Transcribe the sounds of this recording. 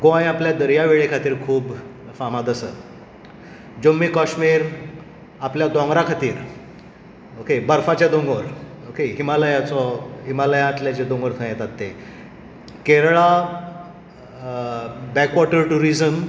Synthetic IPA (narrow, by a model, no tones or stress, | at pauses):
ɡoãjapljad̪əɾjaʋeɭekʰat̪iːɾkʰuːbfamat̪əsə | d͡ʑomːiːkaʂmiːɾ | apljad̪ɔ̃ŋɡɾakʰat̪iːɾ | okebaɾfat͡ɕad̪oŋɡoɾ | okeɦimaləjat͡sɔɦimaləjãat̪ljat͡ɕed̪õŋɡəɾt̪ʰəjet̪at̪ːe | keɾɭa | bɛkʋɔʈəɾʈuɾid͡zəm